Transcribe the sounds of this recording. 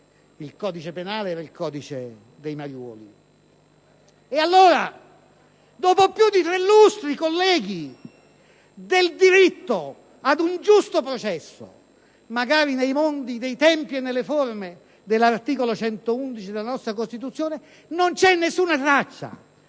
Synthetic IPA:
ilkɔːd̪it͡ʃepenaːleɛːɾailkʰɔːd̪it͡ʃe | d̪ejmaɾjɔ̰ːlḭ | ealːoːɾa | d̪ɔːpopjud̪ːit̪ɾelːust̪ɾikolːɛːɡi | d̪eld̪iɾit̪ːo | ad̪und͡ʒust̪opɾot͡ʃɛsːo̰ | maɡaːɾinejmond̪id̪ejt̪ɛmpienːelːeforme | d̪elːart̪iːkolot͡ʃɛnt̪ound̪it͡ʃid̪elːanɔst̪ɾakost̪it̪ut̪sːjoːne | nont͡ʃɛnːesːuːnat̪ɾat͡ʃːa̰

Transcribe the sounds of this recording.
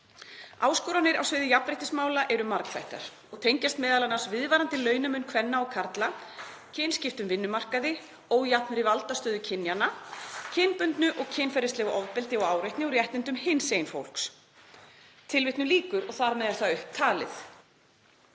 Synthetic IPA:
aːwskɔːɾanɪɾa̰wsvɪːðɪjapnɾejht̪ɪsmaːwlaʔɛɾʏmaɾkfa̰jht̪a̰ɾ̥ | ɔɣt̪ʰejɲcast̪mɛːðalanaɾsvɪðvaːɾant̪ɪlœːɥnamʏnkʰvɛnːaɔɣkʰaɾt̪la | cʰɪnscɪft̪ʏmvɪnːʏmar̥kaðɪ | oːwjat̪nʏɾivalt̪ast̪œːðʏcʰɪnːjanacʰɪnpʏnt̪nʏʔɔɣcʰɪnfɛɾɪst̪ɛːɣaʔɔðpɪlt̪ɪɔɣaːwɾejht̪nɪuɾjɛht̪ɪnt̪ʏmhɪnsejnfo̰wl̥ks | t̪ʰɪlvɪht̪nʏliːkʏɾɔɣθaɾmɛðaθaʏhp̚t̪ʰaːlɪ̰θ

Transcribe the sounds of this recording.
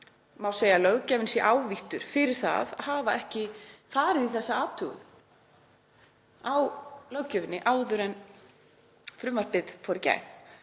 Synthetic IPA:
mawseːjalœɥcɛːvɪnsjɛʔaːwviht̪ʏɾ̥fɪɾɪɾ̥θa̰ðhaːvaʔɛhcɪfaːɾɪðiθɛsːaaːt̪ʰʏɣʏ̰n | awlœwcœːvɪnːɪʔaːwðʏɾɛn | fɾʏmːaɾ̥pɪðfɔːɾɪca̰jn

